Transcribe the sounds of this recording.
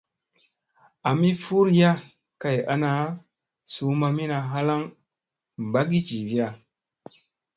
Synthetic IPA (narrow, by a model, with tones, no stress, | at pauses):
a˨mi˦fu˦ɾja˦ | ka˨ja̰˦na˦ | su˨˦ma˧mi˦na˨ɦa˦la˦ŋ | m˨ba˦ɡi˦t͡ʃi˨vi˦a˨